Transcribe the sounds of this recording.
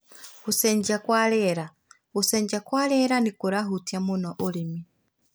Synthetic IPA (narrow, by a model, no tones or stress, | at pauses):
usɛɲd͡ʒakwalɛɾa | usɛɲd͡ʒakwalɛɾanikuɾaɦutjamunɔʔulimi